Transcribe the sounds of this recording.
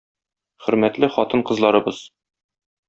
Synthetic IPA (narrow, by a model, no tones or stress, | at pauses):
χɵ̆ɾmæt̪lɘχɒt̪ɤɴqɤ̆zlˠɑɾɤ̆bɤz̥